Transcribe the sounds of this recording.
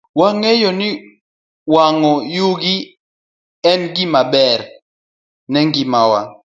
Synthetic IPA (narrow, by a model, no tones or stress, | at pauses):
waŋɛjɔni | waŋɔjuɡi | ɛnɡimabɛɾ | nɛŋɡimawa